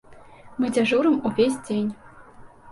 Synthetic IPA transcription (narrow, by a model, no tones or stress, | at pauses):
mɨd͡zʲaʐuɾɨmuvʲesʲd͡zʲenʲ